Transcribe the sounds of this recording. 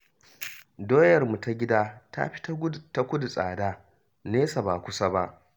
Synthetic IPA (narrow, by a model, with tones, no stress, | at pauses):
doː˦jɐ˨rmu˨ta˦ɡʲɪ˦daː˦ta̰˦ɸi̥˦ta˦ta˦kʷʊ˦du˨sʼaː˨daː˦ | neː˦sa˨baː˨kʷʊ˦sa˦ba˦ʔ